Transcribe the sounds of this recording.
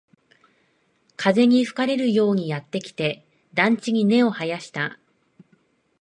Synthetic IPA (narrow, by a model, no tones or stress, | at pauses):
kʰaze̞ɲ̟iɸɯ̟̥kaɾe̞ɾɯ̟jo̞ːɲ̟ijat̪ːe̞kʲi̥t̪e̞ | d̪ãɲ̟t͡ɕiɲ̟ine̞o̞hajaɕi̥t̪a